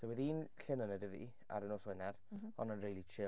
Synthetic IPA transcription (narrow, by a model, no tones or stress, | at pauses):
sowɛðiːnɬɪnənədəvḭ | a̰ɾənoːswɛnɛɾɔnənrejlˠit͡ʃʰɪ